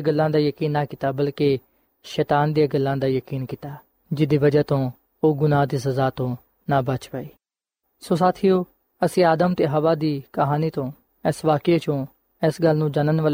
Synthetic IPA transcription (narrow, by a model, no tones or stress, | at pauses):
ɡəlːãːd̪aːjəkiːnːaːkit̪aːbəlke | ʃɛːt̪aːnd̪ijaːɡəlːãːd̪aːjəkiːnkit̪aː | d͡ʒɪd̪iːʋəd͡ʒaːt̪õː | oːɡʊnãːd̪iːs̬əzaːt̪õː | naːbət͡ʃpaːiː | soːsaːt̪ʰiːoː | əsĩːaːd̪əmt̪eːɦəʋaːd̪iːkəɦaːniːt̪õː | ɛsʋaːket͡ʃõː | ɪsɡəlːnũːd͡ʒanənʋəl